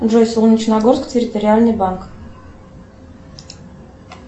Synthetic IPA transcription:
ʐojslˠunʲɪt͡ɕnaɡorsktʲɪɾʲɪt̪oɾʲɪalʲnɨjbaŋk

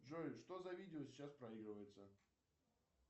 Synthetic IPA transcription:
ʐoɪʂt̪o̞zɐvʲidʲɪosʲɪ̥t͡ɕaspɾɐiɡɾɨvəjɪt̪sə

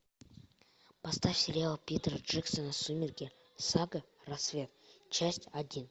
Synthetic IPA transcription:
pɐst̪afʲsʲɪɾʲalˠəpʲit̪rəʐɛksənəsumʲɪrɡʲe | saɡərɐsːvʲe̞t̪̚t͡ɕæsʲtʲadʲin

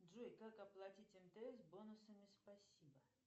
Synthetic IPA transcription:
ʐujkakɐplˠatʲitʲɛnt̪əɛzbonʊsəmʲɪspɐsʲibə

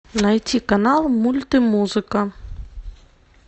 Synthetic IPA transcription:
najtʲikanalˠmulʲt̪ɨmuzɨkə

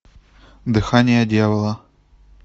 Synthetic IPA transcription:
d̪ɨxanʲɪjəd̪ʲjavəlˠə

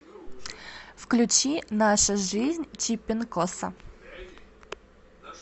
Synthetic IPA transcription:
fklʲʉt͡ɕinaʂʊʐɨzʲnʲt͡ɕipʲɪnkosɐ̰

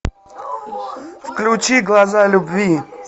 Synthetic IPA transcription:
fklʲʊt͡ɕiɡlˠazalʲʊbvʲi

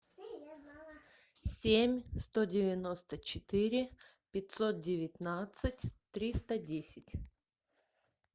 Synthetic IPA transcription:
sʲemʲst̪odʲɪvʲɪno̞st̪ət͡ɕɪt̪ɪɾʲɪ | pʲɪt̪ʲso̞t̪̚dʲɪvʲɪt̪nat̪sɨtʲt̪ɾʲist̪ədʲesʲɪtʲ

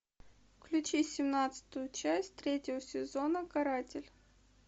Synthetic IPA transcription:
fklʲʉt͡ɕisʲɪmnat̪sɨ̥t̪ʊjʊt͡ɕæsʲtʲt̪ɾʲetʲɪvəsʲɪzonəkɐɾatʲɪlʲ

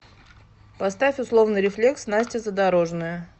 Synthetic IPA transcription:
pɐst̪afʲʊslˠo̞vnɨjɾʲɪflʲe̞ksnasʲtʲɪzəd̪aɾo̞ʐnʊjʊ

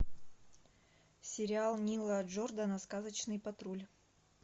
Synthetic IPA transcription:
sʲɪɾʲɪalˠnʲilˠəd͡ʒord̪anɐskazət͡ɕnɨjpɐt̪ɾulʲ

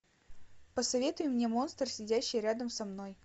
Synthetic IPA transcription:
pəsɐvʲe̞t̪ʊjɪmnʲe̞mo̞nst̪ərsʲɪdʲæɕːɪjɾʲad̪əmsɐmno̞j

